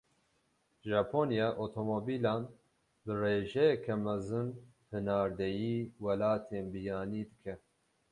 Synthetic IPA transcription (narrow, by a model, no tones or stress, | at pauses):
ʒaːpʰoːnijaːʔot̪ʰomobiːlaːn | bɨreːʒɛjɛkʰɛmɛzɨn | hɨnaːɾd̪ɛjiːwɛlaːt̪ʰeːnbɨjɑːniːd̪ɨkʰɛ